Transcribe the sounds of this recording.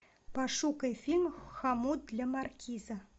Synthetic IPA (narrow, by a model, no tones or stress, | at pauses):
paʂukɐjfʲilʲmxamud̪lʲɐmarkʲizɐ